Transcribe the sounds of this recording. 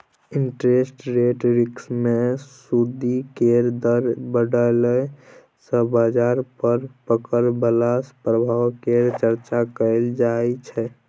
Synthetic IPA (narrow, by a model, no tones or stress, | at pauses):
iɳʈɾesʈɾeʈɾiksmesud̪ikeɾd̪əɾbəɖəle | sə̃bad͡ʒaɾpəɾpəkəɾbəlaspɾəbʱawkeɾt͡ʃəɾt͡ʃakəɪld͡ʒaɛt͡ʃʰɛ